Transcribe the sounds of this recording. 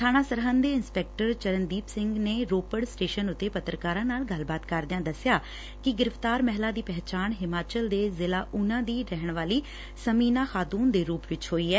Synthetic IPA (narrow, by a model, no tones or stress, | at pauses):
ʈʰaːnaːsəɾɦãnd̪eːɪnspɛːk̚ʈəɾt͡ʃəɾənd̪iːpsɪŋɡneːɾoːpəɖsʈeːʃənʊt̪ːeːpət̪ɾəkaːɾãːnaːlɡəlbaːt̪kəɾd̪ɪãːd̪əsːɪjaː | kɪɡɪɾɪft̪aːɾmɛɦlaːd̪iːpɛɦt͡ʃaːnɦɪmaːt͡ʃəld̪eːzɪlaːʔʊnãːd̪iːɾɛɦəɳʋaːliː | səmiːnaːxaːt̪uːnd̪eːɾuːpʋɪt͡ʃɦoːiːɦɛː